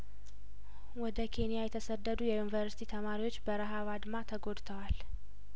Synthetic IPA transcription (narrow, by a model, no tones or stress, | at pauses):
wɔd̪əkʰe̞nijajɛt̪ʰəsəd̪ːəd̪ujɛjunivəɾsi̥t̪ʰit̪ʰəmaɾiwo̞t͡ʃːbəɾəɦaβad̪mat̪ʰəɡo̞d̪t̪ʰəwal